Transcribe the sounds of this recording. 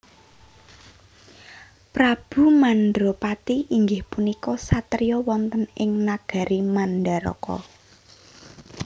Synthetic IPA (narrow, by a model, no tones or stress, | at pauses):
pɾab̥ṳmanɖɾopat̪iʔiŋɡɪhpunikɔsat̪ɾijɔwɔnt̪ənɪŋnaɡ̥a̤ɾimanɖaɾɔ̰kɔ̰